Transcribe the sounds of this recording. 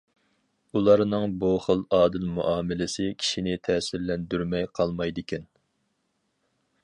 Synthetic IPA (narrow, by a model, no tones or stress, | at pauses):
ulˠɑɾnɨŋbuχəlˠɑːd̪ɪlmuʔɑːmɪlɪsɪkʲʰi̥ʃinɪt̪ʰɛːsɪɾlɛnd̪yɾmɛjqʰɑlˠmɑjd̪ɨkʲɛn